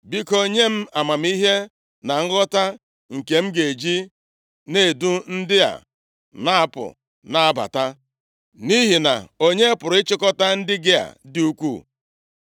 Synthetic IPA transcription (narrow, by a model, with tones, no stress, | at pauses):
bi˦ko˦ɲe˦m̩˦a˨ma˨m̩˦i˦ɦe˦ | na˨ŋ̩˦ɣɔ˦ta˦ | ŋ̩˨ke˨m̩˦ɡe˨d͡ʒi˦ | ne˦˨du˦n̩˦dɪ˦a̰˨ | na˦a˨pʊ̰˨ | na˨a˨ba̰˨ta˦ | ni˦ɦi˨na̰˨o˦ɲe˦pʊ˨ɾʊ˨ɪ˦t͡ʃɪ˦kɔ˦ta˦n̩˦dɪ˦ɡɪ˦a̰˨dɪ˦u˦kʷu˦˨